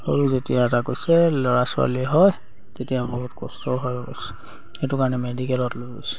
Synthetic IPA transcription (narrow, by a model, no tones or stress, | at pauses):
hoɹuzetijaɛtakojsɛlɔɹasʊa̰liɛɦɔj | tetijabɔɦutkɔstɔɦɔjɔkɔ̰jsɛ̥ | etukaɹnɛmedikɛlɔtloɡosɛ̥